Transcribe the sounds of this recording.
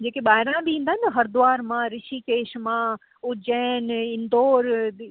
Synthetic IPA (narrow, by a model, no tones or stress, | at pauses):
d͡ʑeːkeɓaːɪɾãbiĩːnd̪aːɦɪnɦɐɾd̪ʊaːɾmãɾɪʃikeːʃmã | ʊd͡ʑəːnɪ̃nd̪oːɾ